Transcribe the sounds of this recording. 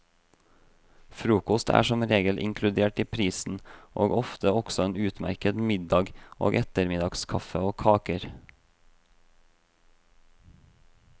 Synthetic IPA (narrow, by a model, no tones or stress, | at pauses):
fɾuːkɔst̪ʰæ̰ːʃɔmɾeːɡəlʔɪ̰ŋkʰlʉd̪eːʈiːpʰɾiːsn̩ʔo̰ːɡɔft̪əɔɡ̥sɔeːnʉːt̪mæ̰ɾkəd̪mɪd̪ɑɡʔo̰ːɡʔɛt̪əɾmɪd̪ɑɡskʰɑfəoːkʰɑːkəɾ